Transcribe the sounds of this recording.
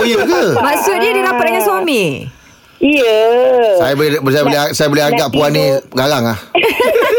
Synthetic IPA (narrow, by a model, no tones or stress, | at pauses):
ojəkəmaksʊt̪̚nadinapat̪̚dəŋanswamĩ | ijəsajabsajaboleasajaboleɦaɡaʔpuanĩɡaɾaŋlah